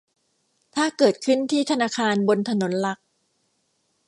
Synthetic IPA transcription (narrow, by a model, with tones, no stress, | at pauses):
t̪ʰaː˥˩kɤː˨˩t̪̚kʰɯ˥˩nt̪ʰiː˥˩t̪ʰa˧naː˧kʰaː˧nbo˧nt̪ʰa˧no˩˦nla˨˦˥k̚